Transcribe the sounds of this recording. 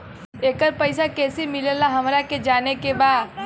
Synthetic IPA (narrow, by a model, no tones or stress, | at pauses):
eːkəɾpəɪsakɛːsimɪlelaɦɐmɾaked͡ʒaːnekebaːd̪